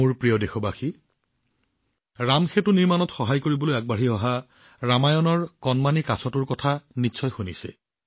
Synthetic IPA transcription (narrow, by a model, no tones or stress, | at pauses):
uɹpɹijɔdexɔbaxi | ɹamxetʊniɹmanɔtxɔɦajkoɹibɔlojaɡ̚baɹiɔɦa | ɹamajɔnɔɹkɔnmanikasɔtʊɹkɔtʰanitːsʰɔjxunisɛ̰